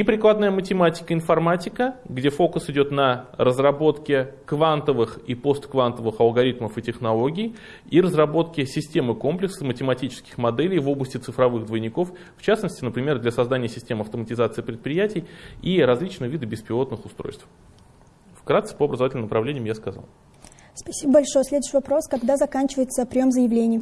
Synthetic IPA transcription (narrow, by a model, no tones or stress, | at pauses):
ipɾʲɪklˠad̪nəjəmətʲɪmatʲɪ̥kəɪnfɐrmatʲɪkəɡdʲe̞fo̞kʊsɪdʲo̞t̪nəɾəzrɐbo̞t̪kʲɪkvant̪əvɨxipo̞st̪kvant̪əvɨxɐlˠɡɐɾʲit̪məfɨtʲɪxnɐlˠo̞ɡʲɪj | iɾəzrɐbo̞t̪kʲɪsʲɪsʲtʲe̞mɨko̞mplʲɪksɨmətʲɪmɐtʲit͡ɕɪ̥skʲɪxmɐd̪ɛlʲɪjvo̞bləsʲtʲɪt̪sɨfɾɐvɨɣd̪vəjnʲɪko̞f | ft͡ɕasnəsʲtʲɪnəpɾʲɪmʲe̞rd̪lʲasɐzd̪anʲɪjəsʲɪ̥sʲtʲe̞mɐft̪əmətʲɪzat̪sɨɪːpɾʲɪt̪̚pɾʲɪjætʲɪjiɾɐzlʲit͡ɕnɨjəvʲid̪ɨbʲɪspʲɪlˠo̞t̪nɨxʊst̪ɾo̰jst̪f | fkɾat̪sɨ̥pəɐbɾəzɐatʲɪlʲmnəpɾɐvlenʲɪjmjaskɐza̰lˠ | spɐsʲibəbɐlʲʂo̞jəsʲlʲed̪ʊɕɪvɐpɾo̞skɐɡd̪azɐkanʲt͡ɕɪvəjɪt̪səpɾʲɪjo̞mzəjɪvlʲenʲɪjə